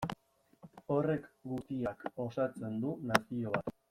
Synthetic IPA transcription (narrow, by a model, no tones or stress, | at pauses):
o̞re̞kɡut̪iako̞sat͡se̞nd̪unasio̞βat̪